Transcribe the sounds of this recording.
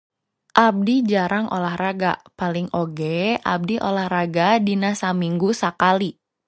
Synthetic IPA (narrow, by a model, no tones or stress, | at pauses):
ʔab̚did͡ʒaɾaŋʔo̰lahraɡa̰paliŋʔoɡeʔa̰b̚diʔolahraɡadinasamiŋɡusakali